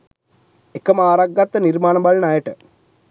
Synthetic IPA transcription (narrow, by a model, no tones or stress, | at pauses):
ekːɐmaːɾɐɡɐt̪ːɐniɾmaːnɐmbɐɭnaːjɐʈɨ